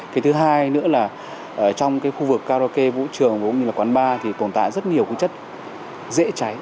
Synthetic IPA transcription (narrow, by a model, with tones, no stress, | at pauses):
kaː˨˦jt̪ʰɨ˨˦ɦaː˧jnɨ̰˧˥əlaː˨˩ | ʔəː˨˩t͡ɕɔ˧wŋ͡mkaː˨˦jxu˧vɨ˨˩kːaː˧ɾo˧ke˧vṵ˧˥t͡ɕɨ˨˩əŋ˨˩kʊ̰˧˥ŋ͡mɲɨ˧laː˨˩kwaː˨˦nɓaː˧t̪ʰi˨˩t̪o˨˧˩nt̪a̰ː˧˨jzə˦˥t̚ɲi˨˩əwku˧˦t͡ɕə˦˥t̚ | zḛ˧˥t͡ɕa˨˦j